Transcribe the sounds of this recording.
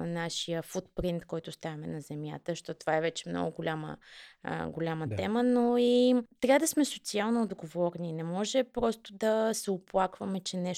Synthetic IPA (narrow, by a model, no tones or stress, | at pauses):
naʃijəfut̪pɾint̪kɔjt̪ʊst̪avɐmɛnɐzɛmja̰t̪əʃt̪ɔt̪ovaɛvɛt͡ʃɛmnɔ̰ɡʊɡolʲamə̰ | ɡolʲamət̪ɛmənoit̪ɾʲavəd̪ɐsmɛsot̪sialˠnoːd̪ɡovɔɾninɛmɔʒɛpɾɔst̪ʊd̪ɐsɛoplˠakvəmɛt͡ʃɛnɛʃ